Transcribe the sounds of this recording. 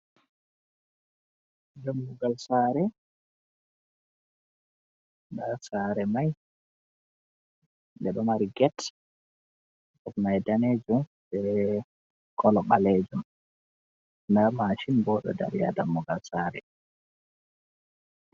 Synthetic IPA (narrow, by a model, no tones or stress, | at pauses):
damːuɡalsaːɾɛ | ndasaɾɛmaj | ndɛɗɔmaɾiɡɛt | ɗɔtnajdaned͡ʒumbɛ | kʰɔlɔɓaled͡ʒum | ndamaʃinbɔɗɔ̰da̰ɾja̰damːuɡalsaːɾɛ̰